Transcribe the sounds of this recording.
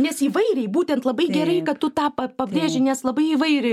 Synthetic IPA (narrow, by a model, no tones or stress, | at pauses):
nʲɛsiːʋɐɪɾʲɛɪbuːt̪ʲɛnt̪lˠɐbɐɪɡʲɛɾɐɪkɐtt̪ʊt̪ɑːpɐpɐbʲrʲeːʒʲɪnʲɛslˠɐbɐɪiːʋɐɪɾʲɪ